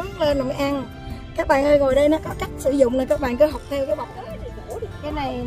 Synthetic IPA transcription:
le˧nlo̰˧˨jʔa˧n | kaː˦˥k̚ɓa̰ː˧˨nʔəː˧ɣo˨˩jɗə˧jnɔ˨˦kɔ˨˦ka˦˥jk̟̚sɨ˧˩zʊ̰˧˨ŋ͡mnəː˨˩kaː˦˥k̚ɓa̰ː˧˨nkə˨˦ɦa˨˩wk͡p̚t̪ʰɛ˧wkaː˨˦jɓa˧˨ŋ͡mt̪ə˨˦ɗe˨˩u˧˩ɗkaː˨˦na˨˩j

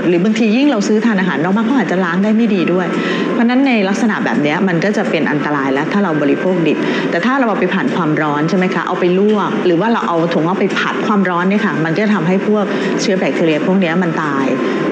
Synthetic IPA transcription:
t̪̚ɾɯː˩˦ba˧ŋt̪ʰiː˧ji˥˩ŋɾa˧wsɯː˦˥t̪ʰaː˧nʔaː˧ɦa̰ː˩˦nːlɔː˧˩maː˥˩pʰɔː˦˥ʔaː˨˩t̪̚t͡ɕa˨˩laː˦˥ŋdaː˥˩jma˥˩jdiː˧du˥˩əj | pʰɔ˦˥na˦˥nːa˧jla˦˥k̚sa˧na̰˨˩ʔbɛː˨˩p̚ni˦˥ɐma˧nkɔː˥˩t͡ɕa˨˩pe˧nʔa̰˧nt̪a˧ɾaː˧jlɛ˦˥wt̪ʰaː˥˩ɾa˧wbɔː˧ɾi˦pʰoː˥˩k̚di˨˩t̪̚ | t̪ɛː˨˩t̪ʰaː˥˩ɾa˧wʔa˧wpa˧jpʰaː˨˩nkʰwaː˧mɾɔː˦˥nt͡ɕʰa˥˩jma˦˥jkʰa˦˥ʔa̰˧wpa˧jlu˥˩ək̚ɾɯː˩˦waː˥˩ɾa˧wʔa˧wt̪ʰu˩˦ʔa˧˥˩pa˧jpʰa˨˩t̪̚kʰwaː˧mɾɔː˦˥nːi˥˩ɐkʰa˥˩ma˧nkɔː˥˩t͡ɕa˨˩t̪ʰa˧mɦa˥˩jpʰu˥˩ək̚ | t͡ɕʰɯ˦˥bɛː˨˩k̚t̪ʰi˧li˧əpʰu˥˩ək̚ni˦˥ɐma˧nt̪aː˧j

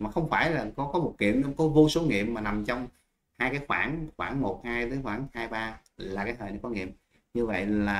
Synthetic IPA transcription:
maː˨˩xə˧wŋ͡mfaː˧˩jlaː˨˩kɔ˨˦kɔ˨˦mo˨˩t̚kḭ˧˨əmɲɔ˧kɔ˨˦vo˧so˨˦ŋḭ˧˨əmmaː˨˩na˨˩mt͡ɕɔ˧wŋ͡m | haː˧jkaː˨˦jxwaː˧˩nŋxwaː˧˩ŋmo˨˩t̚haː˧jt̪əː˨˦jxwaː˧˩ŋhaː˧jɓaː˧ | laː˨˩kaː˨˦jt̪əː˨˩nə˨˦kɔ˨˦ŋḭ˧˨əm | ɲɨ˧və̰˧˨jlaː˨˩

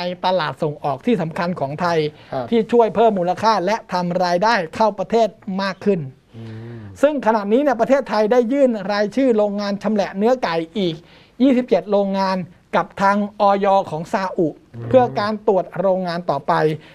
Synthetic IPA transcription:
jt̪a˧laː˨˩t̪̚so˨˩ŋʔɔː˨˩k̚t̪ʰiː˥˩sa˩˦mkʰa˧nkʰɔː˩˦ŋt̪ʰa˧j | t̪ʰiː˥˩t͡ɕʰu˥˩əjpʰɤː˥˩mːuː˧la˧kʰaː˥˩lɛ˦˥t̪ʰa˧mɾaː˧jdaː˥˩jkʰa˥˩wpɾa˧t̪ʰeː˥˩t̪̚maː˥˩kʰːɯ˥˩n | sɯ˥˩ŋkʰa˧na˨˩ʔniː˦˥ni˥˩əp̬ɾa˧t̪ʰeː˥˩t̪ʰːa˧jdaː˥˩jːɯː˥˩nɾaː˧jt͡ɕʰɯː˥˩ɾoː˧ŋːaː˧nt͡ɕʰa˧mlɛ˨˩ʔnɯ˦˥ɐka˨˩jʔiː˨˩k̚ | jiː˥˩si˨˩p̚t͡ɕe˨˩t̪̚ɾoː˧ŋːaː˧n | ka˨˩p̚t̪ʰaː˧ŋʔɔː˧jɔː˧kʰɔː˩˦ŋsaː˧ʔu˨˩ʔ | pʰɯ˥˩ɐkaː˧nt̪u˨˩ət̪̚ɾoː˧ŋːaː˧nt̪ɔː˨˩pa˧j

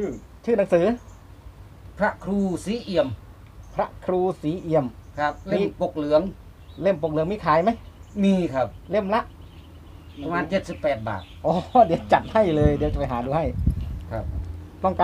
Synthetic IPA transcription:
t͡ɕʰɯː˥˩na˨˦ŋsɯː˨˦ | pʰɾa˦˥ʔkʰɾuː˧siː˨˦ʔi˧˩əm | pʰɾa˦˥ʔkʰɾuː˧siː˨˦ʔi˧˩əmkʰa˦˧˩p̚le˥˩˧po˨˧˩k̚lɯ˩˦əŋ | le˥˩mpo˨˩k̚lɯ˨˩˦ŋmiː˧kʰaː˨˦jma˦˥˩j | miː˧kʰa˦˥p̚le˥˩mla˦˥ʔ | pʰa˧maː˧nt͡ɕe˨˩t̪̚si˨˩pːɛː˨˩t̪̚ba̰ː˨˩t̪̚ʔɔː˧˦di˧əwt͡ɕa˨˩t̪̚ha˥˩jlɤː˧jdi˨˦t͡ɕa˨˩pa˨˩jɦaː˩˦duː˧ɦa˥˩jkʰa˧˩p̚t̪ɔ˥˩ŋkaː˧

